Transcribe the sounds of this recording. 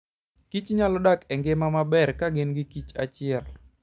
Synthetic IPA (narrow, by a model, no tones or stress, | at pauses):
kit͡ʃɲalɔdakɛŋɡemamabɛrkaɡɪnɡɪkit͡ʃat͡ʃɪɛl